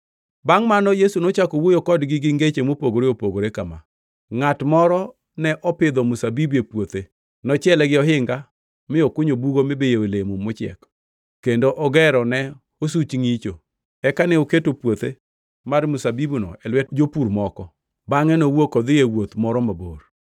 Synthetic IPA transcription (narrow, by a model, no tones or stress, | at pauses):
baŋmanɔjesunot͡ʃakowojokɔdɡɪɡɪŋɡet͡ʃemopoɡoɾeopoɡoɾekama̰ | ŋatmɔɾɔ | nɛʔɔpɪd̪ɔmʊsabibepwot̪e | nɔt͡ʃɪɛlɛɡɪɔɦɪŋɡa | mɪɔkʊɲobuɡomɪbejeolemomʊt͡ʃɪɛ̰k | kendoʔɔɡɛɾɔnɛ | os̬ut͡ʃŋit͡ʃo | ɛkanɛoketopwot̪e | marmʊsabibunɔ̰ɛlwɛd͡ʒopuɾmɔkɔ | baŋɛnowokɔd̪ɪjewot̪mɔɾɔmabor